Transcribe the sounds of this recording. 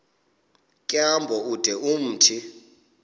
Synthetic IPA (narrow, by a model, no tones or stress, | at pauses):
kʼjambʱɔud̥ʱɛʔum̩ːtʰi